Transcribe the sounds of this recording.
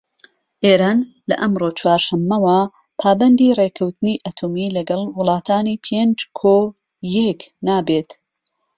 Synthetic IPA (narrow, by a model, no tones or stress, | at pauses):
ʔeːɾaːn | lɐ̰ʔɐmroːt͡ʃwaːɾʃɐmːɐwɐ | pʰaːbɐnd̪irekʰɐwt̪ɨniʔɐt̪ʰoːmilɐɡɐlˠwʊlˠɑːt̪ʰaːnipʰeːnd͡ʒkʰo | jɛknaːbeːt̪